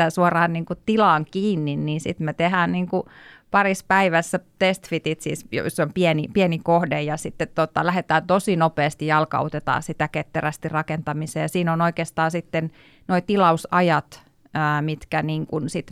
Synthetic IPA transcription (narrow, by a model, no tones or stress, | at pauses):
æsuɑrɑːnniːŋkut̪ilɑːŋkiːnːinniːsit̪met̪ehæːnniːŋkupɑrispæiʋæsːæt̪est̪fit̪it̪sḭsjo̰sːompienipienikohdejjɑsit̪ːet̪t̪ot̪ɑlæhet̪æːnt̪osinopeːst̪ijɑlkɑ̰ot̪et̪ɑ̰ːsit̪æket̪ːeræst̪irɑkent̪ɑmiseːjɑsiːnonoikeːst̪ɑːsit̪ːen | noit̪ilɑusɑjɑt̪ | əːmit̪kæniːŋkunsit̪